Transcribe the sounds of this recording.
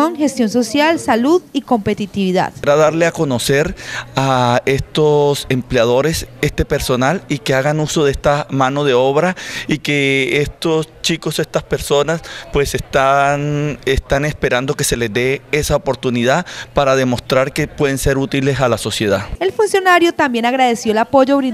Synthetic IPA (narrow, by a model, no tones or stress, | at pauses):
oŋxest̪jonso̞sjalsaluðiko̞mpe̞t̪it̪iβiða̰ðɾaðaɾle̞ako̞no̞se̞ɾae̞st̪o̞se̞mpleað̞o̞ɾe̞se̞st̪e̞pe̞ɾso̞nalike̞aɣanuso̞ðeest̪amano̞ðe̞o̞βɾaike̞est̪o̞st͡ʃikose̞st̪aspe̞ɾso̞naspwesest̪anest̪ane̞spe̞ɾand̪o̞ke̞se̞le̞zd̪e̞esaopo̞ɾt̪uniðapaɾaðe̞mo̞st̪ɾaɾke̞pwe̞ðense̞ɾut̪ile̞salaso̞sje̞ð̞ae̞lfunsjo̞naɾjo̞t̪ambje̞naɣɾaðe̞sjo̞elapo̞ʝoβɾi